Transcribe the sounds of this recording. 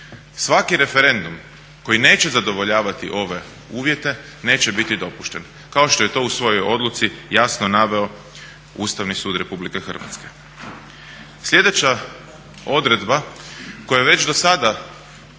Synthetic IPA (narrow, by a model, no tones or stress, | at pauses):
sʋakiɾe̞feɾe̞nd̪um | ko̞jine̞ːt͡ɕezad̪o̞ʋoʎaːʋat̪iʔo̞ʋe̞ | uːʋje̞t̪e̞ | ne̞ːt͡ɕebit̪id̪o̞puʃt̪en | kao̞ʃt̪oje̞t̪o̞usʋo̞jo̞jo̞d̪lˠut̪sijasnonaʋe̞o̞ | ṵst̪aʋnisuːd̪ɾe̞publike̞xr̩ʋa̰t̪ske̞̥ | slʎʲed̪e̞t͡ɕa | o̞d̪ɾe̞d̪bako̞jaʋe̞t͡ɕd̪o̞sad̪a